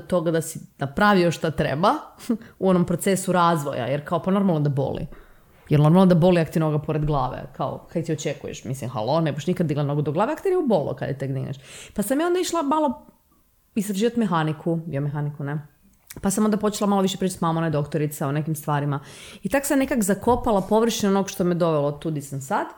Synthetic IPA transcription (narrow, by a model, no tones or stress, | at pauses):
t̪o̞ɡad̪asinapɾaʋioʃt̪at̪ɾḛbauo̞nompɾot̪sesuɾaːzʋo̰ja̰jeɾkaopano̞ɾmalˠnod̪abo̰lḭ | jɛɾno̞ɾmalˠnnd̪abo̞liakt̪iɾnoɡapoɾed̪ɡlˠaːʋḛkʰao̰hajt̪iot͡ʃekujḛʃmislimxa̰lˠo̞nebuʃnikad̪d̪ːiɡlat̪noɡod̪oɡlaːʋeakt̪eɾiubo̞lˠo̰ka̰d̪jḛt̪ekd̪iɡnḛʃpasamjao̞nd̪aiʃlˠamalˠo̞ | ist̪ɾaʒiːʋat̪mexanikʰud̪iomexanikune | pasamo̞nd̪apo̞t͡ʃelamalo̞ʋiʃepɾit͡ʃat̪mamoned̪o̞kt̪oɾit̪saone̞kimst̪ʋaːɾimait̪aksamnekakzako̞palˠapo̞ʋr̩ʃinonoɡʃt̪omijed̪o̞ʋelot̪ud̪isamsad̪